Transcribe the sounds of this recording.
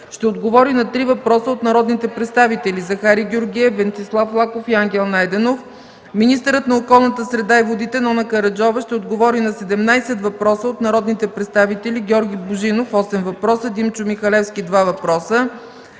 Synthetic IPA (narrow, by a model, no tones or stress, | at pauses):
ʃt̪ɛod̪ɡovɔɾinɐt̪ɾivɐpɾɔsəot̪nɐɾɔd̪nit̪ɛpɾɛt̪st̪avit̪ɛlizɐxaɾiɡʲoɾɡʲiɛvɛnt̪islˠaflˠakofiaŋɡʲɛlˠnajd̪ɛnof | minist̪əɾət̪nɐokɔlˠnət̪əsɾɛd̪aivod̪it̪ɛnɔnɐkɐɾɐd͡ʒɔvəʃt̪ɛod̪ɡovɔɾinɐsɛd̪ɛmnajsɛt̪vɐpɾɔsəot̪nɐɾɔd̪nit̪ɛpɾɛt̪st̪avit̪ɛlʲiɡʲɔɾɡʲibʊʒinofɔsɛmvɐpɾɔsəd̪imt͡ʃʊmixɐlɛfskʲid̪vavɐpɾɔsə